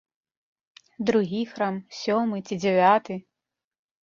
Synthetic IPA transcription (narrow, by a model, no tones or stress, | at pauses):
d̪ɾuɣʲixɾamsʲɔmɨt͡sʲid͡zʲɛvʲat̪ɨ